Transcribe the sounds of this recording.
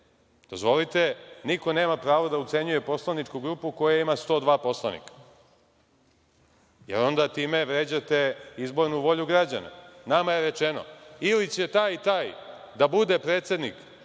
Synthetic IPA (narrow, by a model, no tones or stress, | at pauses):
d̪̥o̞zʋo̞lit̪e̞niko̞ne̞ːmapɾaːʋod̪aut̪se̞ɲuje̞po̞slˠanit͡ʂkuɡɾupuko̞jaimast̪o̞ːd̪ʋaːpo̞slˠanḭkḁ | jḛɾo̞nd̪at̪iːme̞ʋɾeːd͡ʑat̪e̞izbo̞ɾnuʋo̞ʎuɡɾad͡ʑa̰na̰namaje̞ɾet͡ʃeno̞̰ilit͡ɕe̞t̪aːjt̪aːj | d̪abud̪e̞pɾe̞ːt̪se̞d̪nik